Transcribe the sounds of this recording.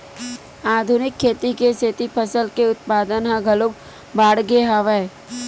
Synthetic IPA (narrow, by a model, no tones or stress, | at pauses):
aːd̪ʱʊnɪkʰːeːt̪ikeset̪ipʰəsəlkeʊt̪̚paːd̪ənɦãɡʱəlok̚ | baːɽɡeɦaʋeː